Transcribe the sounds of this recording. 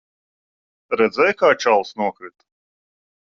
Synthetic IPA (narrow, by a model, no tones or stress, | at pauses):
ɾɛd̪zɛjkaːt͡ʃalˠsnuɔkɾit̪